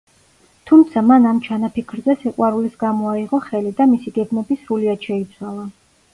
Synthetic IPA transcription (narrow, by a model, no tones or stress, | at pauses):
t̪ʰumt̪sʰamanamt͡ʃʰanapʰikʰɾzɛsɛqʼwaɾulisɡamɔaiʁɔχɛlid̪amisiɡɛɡmɛbisɾuliad̪̥ʃɛit̪sʰwalˠa